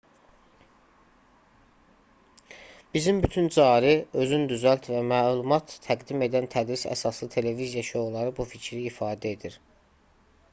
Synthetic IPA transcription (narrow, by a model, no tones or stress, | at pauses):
b̥izimbyt̪ʰynd͡ʒɑːɾiø̞zynd̪yzælt̪ʰvæmæːlˠumɑt̪ʰːæɡd̪ime̞d̪ænt̪ʰæd̪ɾisæ̰sɑslˠɯt̪ʰe̞le̞vizijɑʃoɣulˠɑɾɯbuficʰɾiːfɑːd̪æe̞d̪iɾ